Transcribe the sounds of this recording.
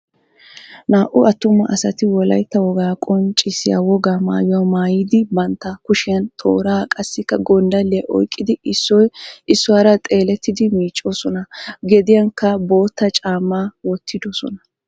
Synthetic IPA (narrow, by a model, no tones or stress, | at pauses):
naːʔʊɐt̪ːʊmːɐʔɐsɐt̪ɪwɔlɐ̰jt̪ːɐwɔɡaːkʼɔnt͡ʃʼɪsɪja̰wɔɡaːma̰ːjɪjamaːjɪd̪ɪbɐnt̪ːɐkʊʃɪjɐnt̪ʰo̞̰ːɾaːkʼɐsːɪkːɐɡɔnd̪ɐlːɪjɐʔɔ̰jkʼːɪd̪ɪɪsːɔjʔɪsːʊwaːɾɐt̪ʼe̞ːlɛt̪ːɪd̪ɪmiːt͡ʃʼːoːsɔnɐɡɛd̪ɪjɐŋkːɐbo̞ːt̪ːɐt͡ʃʼaːmːaːwɔt̪ʰːɪd̪ɔsɔ̰nɐ